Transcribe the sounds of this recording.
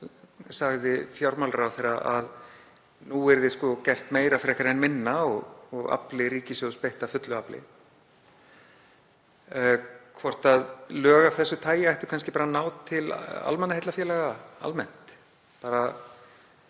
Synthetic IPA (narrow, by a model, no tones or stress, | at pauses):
saɣðɪfjawɾmalɾawθejɾaʔað | nuɛɾðɪskɔcɛr̥t̪meːjɾafɪɾɛhkaɾɛnmɪnːaɔɣɔɣa̰plɪɾiːcɪsjɔspejht̪afʏt̪lʏaplɪ̰ | kʰvɔr̥t̪aðlœːɣafθɛsːʏt̪ʰaːjɪajht̪ʏ̥kʰanscɪpaːɾanaːwt̪ʰːɪla̰lmɛnːhejt̪lafjɛːlɛɣaa̰lmɛn̥t̪ | paːɾa